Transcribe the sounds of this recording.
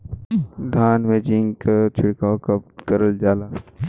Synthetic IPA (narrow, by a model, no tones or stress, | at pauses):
d̪ʱaːnʋeːd͡ʒiŋkat͡ʃʰɪɽkaːkɐpkəɾəld͡ʒaːlaː